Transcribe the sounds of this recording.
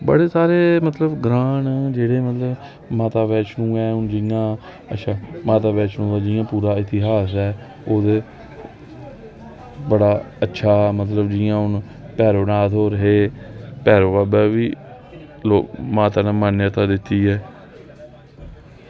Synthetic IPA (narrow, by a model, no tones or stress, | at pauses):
bə̰ɽeːsaːɾeːmət̪ləbɡɾaːnd͡ʒeːɽeːmət̪ləb | maːt̪aːbɛːt͡ʃnũːɛːʊnd͡ʒɪjãː | ətːʃʰaːmaːt̪aːbɛːt͡ʃnũːd̪aːd͡ʒɪjãːpuːɾaːɪt̪ɪɦaːsɛː | oːd̪eː | bəɽaː | ətːʃʰaːmət̪ləbd͡ʒɪjãːʊn | pɛːɾoːnaːt̪oːɾəɦeːpɛːɾoːbaːbɛːʋiː | loːkmaːt̪aːnãːmaːnaːt̪ãːd̪ɪt̪ːiːɦɛː